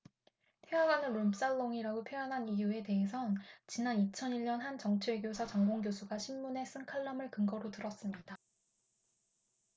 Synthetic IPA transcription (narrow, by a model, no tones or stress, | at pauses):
tʰewaɡanɯnɾoms͈aɭːoŋiɾaɡopʰjojʌnɦanijue̞te̞ɦe̞s̬ʰʌnt͡ɕinanit͡ɕʰʌniʎɲʌnɦant͡ɕʌŋt͡ɕʰeɭɡjosʰat͡ɕʌŋɡoŋɡjosʰuɡaɕʰimːune̞s͈ɯŋkʰaɭːʌmɯɭkɯŋɡʌɾotɯɾʌs͈ɯmɲida